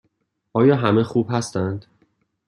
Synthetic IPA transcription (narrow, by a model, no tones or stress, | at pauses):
ʔɒːjɒːɦæmexuːb̥hæst̪ænd̪̥